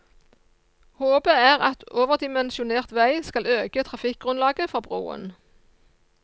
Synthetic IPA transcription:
hoːbəæːʁɑt̪ʰoːʋəʁd̪ɪmɛnsʊneːʁt̪ʋæɪskɑløːɡət̪ʰʁɑfɪk̚ɡ̥ʁʉnlɑːɡəfɑːbʁo̰ːə̰n

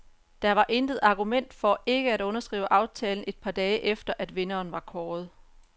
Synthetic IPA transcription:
d̥ɑ̈ʋɑ̈ʔe̝nd̥ð̩ˠɑ̈ɡ̥umen̰d̥fɒ̽e̝ɡ̥əæɾɔ̽nɐsɡ̥ʁḭːʊəʔɑ̈ʊt͡sʰɛːln̩e̝d̥̚pʰɑ̈ːd̥ɛːəʔefd̥ɐʔæd̥ʋe̝nɐːnʋɑ̈kʰɒːð̩ˠ

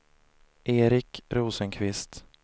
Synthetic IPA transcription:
ʔeːɾɪkɾuːsənkʰvɪst̪

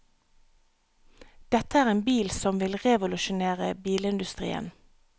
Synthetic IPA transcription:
d̪̥ɛt̪əæːʁeːnbiːlsɔmʋɪlʁɛʋʊlʉʃʊneːʁəbiːləɪnd̪ʉst̪ʁḭːə̰n

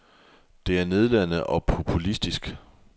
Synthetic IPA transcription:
d̥e̝æɐne̝ð̞ˠlæn̰əʔɒ̽pʰo̝pʰulisd̥isɡ̥

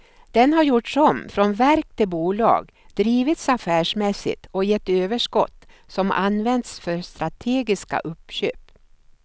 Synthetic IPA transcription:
d̪̥ɛnɦaɾjʊʈɔmfɾɔnvæɾk̚t̪ʰɪlbuːlɑ̰ːɡ | d̪ɾiːvɪt̪safæːʂmɛsːɪ̰t̪ɔjɛt̪ːøːvəʂkɔ̰t̪ːsɔmʔa̰nvɛnd̪sfœɾst̪ɾat̪ʰeːɡɪska̰ʔɵpːɕø̰ːp

